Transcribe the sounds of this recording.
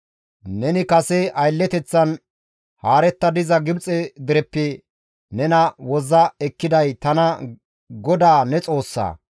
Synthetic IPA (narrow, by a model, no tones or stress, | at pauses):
nɛnɪkɐsɛʔɐjlːɛt̪ɛt͡sːɐn | haːɾɛt̪ːɐd̪ɪzɐɡɪbt͡sʼɛd̪ɪɾɛpːɪ | nɛnɐwɔzɐɛkːɪd̪ɐjt̪ɐnɐ | ɡɔd̪aːnɛt͡sʼo̞ːsːa̰ː